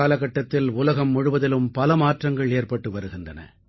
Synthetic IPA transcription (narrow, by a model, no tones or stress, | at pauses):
aːlɐɣɐʈːɐt̪ːɪlʊlɐɣɐmːʊɻʊʋɐðɪlɯmpɐlɐmaːʈrɐŋɡɐɭeːrpɐʈːɯʋɐɾɯɣɪndɐnɐ̰